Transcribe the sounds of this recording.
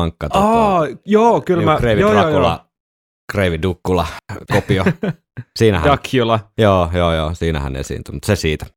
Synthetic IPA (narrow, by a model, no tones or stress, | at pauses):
ɑŋkːɑt̪ɑɑjoːkylmæreiʋioːjɑoulɑ̰ | kreʋidukːulɑ̰kopio | siːnæ̰hæɑkːiolɑjoːjoːjoːsiːnæ̰hæ̰nḛsḭːnt̪ymut̪sesiːt̪æ̥